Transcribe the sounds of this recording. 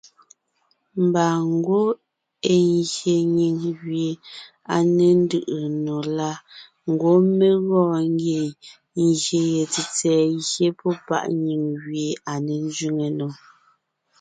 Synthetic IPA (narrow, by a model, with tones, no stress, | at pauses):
m̩˨ba˨ŋ̩˦ɡo˦ | e˨ŋɣje˨ɲi˨ŋɣɥje˨ | a˨ne˨n˦dɯ˦˨ʔə˨no˨la˦ | ŋ̩˨ɡwo˦me˦ɣɔː˦ŋ˦ɡe˨ | ŋ˨ɣje˨je˨t͡si˨t͡sɛː˨ɣje˦pɔ˦pa̰˦ʔɲi˨ŋɣɥje˨a˨ne˨n˦d͡ʒɥi˦ŋe˨no˨